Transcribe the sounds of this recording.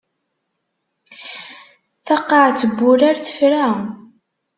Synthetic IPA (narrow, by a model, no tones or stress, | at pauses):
θɑqːɑʕt͡sːəbːʊɾaɾθə̥fɾa